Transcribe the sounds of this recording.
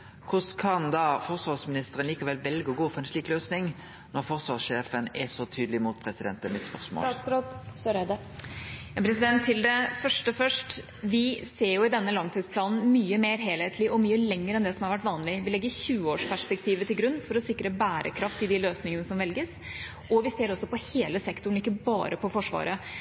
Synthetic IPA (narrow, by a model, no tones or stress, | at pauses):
kʰʊskʰɑnd̪ɑfɔʁsʋɑːsmɪnɪst̪əʁənliːkɑʋɛlʋɛlɡəɔɡuːfɛnʂɭiːkløːsnɪŋ | nɔʁfɔɾsʋɑːʁsʂeːfənɛ̰sɔt̪ʰyːd̪lɪmuːt̪̚pʰɾɛsɪd̪ɛnt̪əmɪt̪spœʁsmo̰ːsɾɔt̪søɾɛd̪ə | jɑpʰɾɛsɪd̪ɛnt̪ʰːɪld̪ɛfœʂʈəfœʂʈ | ʋɪseːɾjʊɪd̪ɛnːəlɑŋt̪ʰiːd̪splɑːnn̩myːəmeːɾɦeːlheːt̪ʰlɪʔɔmyːəlɛŋːəɾɛnd̪ɛsɔmhɑɾʋæʈ̬ːʋɑːnlɪʋɪlɛɡːəɾçʉːəoːʂpæʂpɛk̚t̪ʰiːʋət̪ɪlɡɾʉnːfɔɾɔsɪkɾəbæːɾʔə̰kʰɾɑft̪ɪd̪ɪløːsnɪŋənəsɔmʋɛlɡəs | ʔɔʋɪseːɾɔsːɔpɔheːləsɛkt̪ʊɳ̩ɪkːəbɑ̰ːɾʔəpʰɔfɔʂʋɑ̰ːɾə